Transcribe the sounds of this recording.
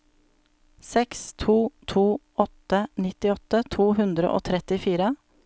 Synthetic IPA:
sɛkst̪ʰuːt̪ʰuː | ɔt̪ənɪt̪ɪɔt̪ət̪ʰuːɦʉnd̪ɾə̰ʔo̰ːt̪ʰɾɛt̪ɪfiːɾə

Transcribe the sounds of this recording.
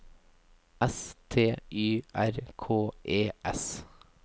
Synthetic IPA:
ɛst̪ʰeːʔyːʔæɾkʰoːʔeːʔɛs

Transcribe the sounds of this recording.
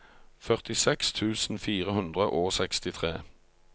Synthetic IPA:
fœʁt̪ɪsɛkst̪ʰʉːsn̩fiːʁəhʉnd̪ʁəʔoːsɛkst̪ɪt̪ʰʁeː

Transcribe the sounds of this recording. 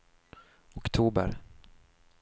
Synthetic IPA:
ɔkt̪ʰuːbə̰ɾ

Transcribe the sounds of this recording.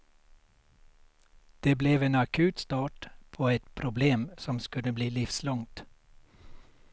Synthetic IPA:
d̪̥eːblɛːʋeːnɑkʰʉːt̪st̪ɑːʈpʰoːɛt̪pʰɾʊbleːmsɔmskʉləbliːlɪfslɔŋt̪

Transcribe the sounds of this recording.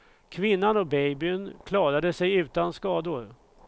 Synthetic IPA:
kʰvɪnːanɔk̚bɛjbɪnkʰlɑːɾad̪əsɛjʉ̟ːt̪anskɑːd̪ʊɾ

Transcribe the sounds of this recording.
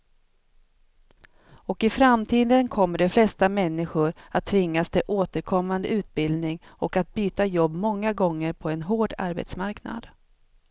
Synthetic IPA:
ɔkɪfɾamt̪ʰiːd̪ənkʰɔmːəɖɛflɛst̪amɛnːɪɧʊɾat̪ʰːvɪŋːast̪ʰɪʔoːt̪əɾkʰɔmːand̪əʉ̟ːt̪̚bɪld̪nɪŋɔkat̪̚byːt̪ajɔbːmɔŋːaɡɔŋːəɾpʰɔɛnɦoːɖa̰ɾbɛ̰t̪smaɾkna̰d̪̥

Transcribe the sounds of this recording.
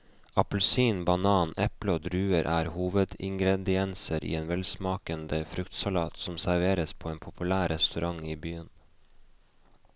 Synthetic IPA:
ɑplsiːnbɑnɑːnɛpləoːd̪ɾʉːəɾʔæːɾhuːʋəd̪ɪŋɡɾɛd̪ɪɛnsəɾʔḭːeːnʋɛlsmɑːkənd̪əfɾʉkt̪sɑlɑːt̪sɔmsæɾʋeːɾəspʰoːeːnpʰʊpʉlæːɾɛst̪ʉɾʔɑŋiːbyːən

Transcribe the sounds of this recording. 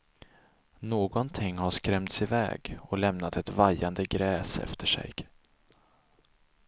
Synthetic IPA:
noːɡɔnt̪ʰɪŋːhaʂkɾɛmt̪sɪvɛ̰ːɡɔlɛmnat̪ɛt̪vajːand̪əɡɾɛːsɛ̰ft̪ʰəʂɛ̰j

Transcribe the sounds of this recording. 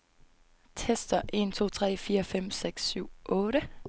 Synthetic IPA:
t͡sʰɛsd̥ɐʔe̝ːnt͡sʰo̝̰ːt͡sʰʁɛ̰ːfiːʁəfɛm̰sɛɡ̥sːʉːʔɔːɾə

